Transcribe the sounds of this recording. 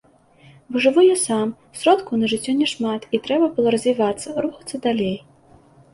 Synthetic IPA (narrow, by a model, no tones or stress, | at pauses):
bɨʐɨvujɔsam | sɾɔt̪kunɐʐɨt͡sʲːɔnʲɛʂmat̪it̪ɾɛbɐbɨlˠɔɾɐzʲvʲivat̪sːɐɾuxɐ̥t̪sːɐd̪alʲej